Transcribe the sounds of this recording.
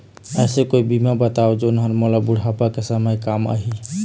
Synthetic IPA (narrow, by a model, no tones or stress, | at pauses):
əsekoibimabət̪aod͡ʒeʊnɦəɾmɔlabuɽ̤ʱapakesəməjkamə̰ɦi